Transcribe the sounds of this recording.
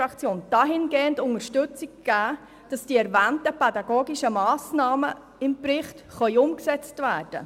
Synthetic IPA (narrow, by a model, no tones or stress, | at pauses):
ɑkt͡sjoːnd̥ɑːɦɪnɡeːəntʊŋəɾʃtʏt͡sikɡ̥æː | d̥ɑsd̥iːɛɾvæːntəpɛdɑɡoːɡiʃəmɑːsnɑːmə | ɪmprɪχtχœʏʊmksɛt͡stvæːrd̥ə̰